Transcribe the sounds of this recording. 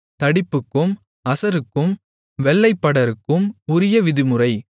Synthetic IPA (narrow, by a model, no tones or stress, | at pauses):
t̪ɐɽɪpːɯkːɯm | ɐsɐɾɯkːɯm | ʋɛlːɐɪpːɐɽɐɾɯkːɯmʊɾɪjɐʋɪðɯmɯrɐɪ